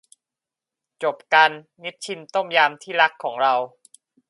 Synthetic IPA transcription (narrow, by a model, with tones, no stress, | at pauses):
t͡ɕo˨˩p̚ka˧nːi˦˥t̪̚t͡ɕʰi˧nt̪o˥˩mjaː˧mt̪ʰiː˥˩ɾa˦˥kʰːɔː˩˦ŋɾa˧w